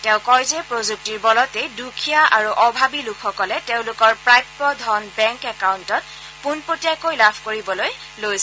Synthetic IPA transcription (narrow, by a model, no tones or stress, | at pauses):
tɛ̃ʊ̃kɔjzɛpɹozuk̚tiɹbɔlɔtejdukʰijaʔaɹuʔɔbʱabilukʰxɔkɔlɛtẽʊ̃lʊkɔɹpɹajɔdʱɔnbɛŋkɛkaʊntɔt̚ | punpotijakojlabʱkoɹibɔloj | lojs